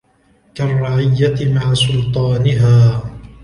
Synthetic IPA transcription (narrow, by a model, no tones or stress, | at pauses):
karˤːɑʕɪjːaɪmaʕasʊlt̪ˤɑːnɪɦaː